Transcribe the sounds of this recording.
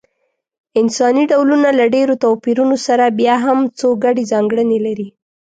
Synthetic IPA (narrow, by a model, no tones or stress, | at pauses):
ɪnsɑniɖawlunalaɖeɾot̪ɑwpiɾunosaɾabjɑɦamt͡soɡaɖezɑŋɡɽənelaɾi